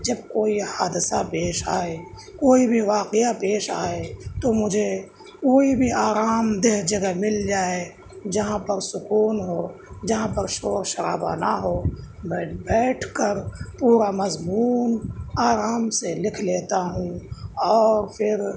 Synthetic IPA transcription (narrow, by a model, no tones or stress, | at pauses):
d͡ʒɐb̚koːihaːd̪sapeːʃa̰ːe | koːibʱiʋaːqeapeːʃa̰ːet̪omʊd͡ʒʱe | koːibʱiaːɾaːmd̪eɦd͡ʒɐɡəɦmɪld͡ʒaːe | d͡ʒɐɦãpəɾsʊkuːnɦo | d͡ʒɐɦãpəɾʃoːɾʃəɾa̰ːba̰naɦoːbbɛːʈʰkəɾpuːɾamɐzmuːnaːɾaːmselɪkʰleːt̪aɦũɔːɾfʰɪɾ